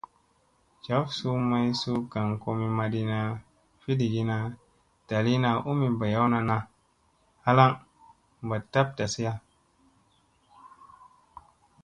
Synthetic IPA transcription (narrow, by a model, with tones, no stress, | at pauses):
d͡ʒa˨˦fsu˦ma˦jsu˦ɡa˨ŋko˧mi˧ma˧di˧na˧ | fi˦di˨ɡi˦na˧ | d̥a˨li˦na˧ʔu˦mi˨ba˨ja˦wna˧na˧ | ha˦la˦ŋ | mba˨ta˦p̚da˨si˦ja˦